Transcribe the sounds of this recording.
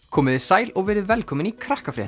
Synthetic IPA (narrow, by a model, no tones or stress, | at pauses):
kʰɔːmɪðɪsaːjlɔɣvɛːɾɪðvɛlkʰɔːmɪnikʰɾahkafɾɛ̰ː